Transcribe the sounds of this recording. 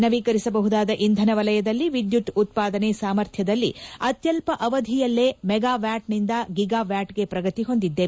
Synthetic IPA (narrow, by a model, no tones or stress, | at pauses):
nɐʋikɐɾisɐbɐɦud̪aːd̪ɐʔind̪ʱɐnɐʋɐlɐjɐd̪ɐlːiʋid̪juʈut̪̚paːd̪ɐnesaːmɐɾt̪ʰjɐd̪ɐlːḭɐt̪jɐlpɐʔɐʋɐd̪ʱijɐlːe̞ːmɛɡaːʋjaːʈnind̪ɐɡiɡaːʋjaːʈɡe̞pɾɐɡɐt̪iɦo̞nd̪id̪ːeː